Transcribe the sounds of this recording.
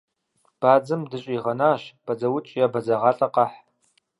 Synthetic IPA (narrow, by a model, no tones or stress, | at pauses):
b̥aːd͡zɨmdɨɕʼiʁɐnaːʃb̥ɐd͡zɐwʊt͡ʃʼjabɐd͡zɐʁɑɬʼɐqʼɑħ